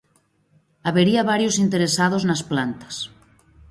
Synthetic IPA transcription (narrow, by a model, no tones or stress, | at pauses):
aβeɾiaβ̞aɾjosint̪e̞ɾesað̞oznasplant̪ḁs